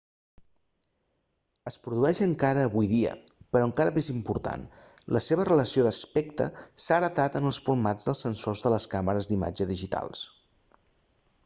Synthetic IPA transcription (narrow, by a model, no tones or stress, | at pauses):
əspɾuðuɛʃəŋkaɾəːβujðiə̰pəɾɔəŋkaɾəmezimpuɾt̪a̰nlʔəseβ̞ərələsioðəspɛkt̪ə̰saɾət̪at̪ənəlˠsfuɾmad͡zðəlˠsənsozðələskaməɾəzd̪ima̰d͡ʒəðiʒit̪a̰lˠs